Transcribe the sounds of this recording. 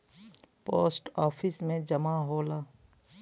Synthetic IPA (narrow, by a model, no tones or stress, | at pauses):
po̰ːsʈɔːpʰɪsmẽd͡ʒəmaɦoːlaː